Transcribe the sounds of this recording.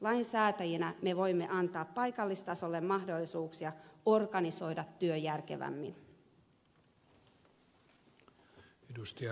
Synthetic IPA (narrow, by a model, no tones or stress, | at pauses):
lɑjnsæːt̪æjenæme̞ʋo̞jmːe̞̰ʔɑnt̪ɑːppɑjkɑlːist̪ɑso̞lːe̞mmɑhdo̞lːisuːksijɑo̞rɡɑniso̞jdɑt̪ːyøjærk̟e̞̰ʋæ̰mːin | edust̪iɑ